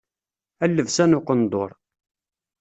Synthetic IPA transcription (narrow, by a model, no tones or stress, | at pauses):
ælːəvsænʊqənd̪o̰ɾˤ